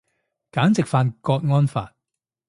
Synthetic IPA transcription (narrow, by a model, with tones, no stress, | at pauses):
kaː˨˥nt͡sɪ˨k̚faː˧nkɔː˧t̚ŋɔː˥nfa̰ː˨˩t̚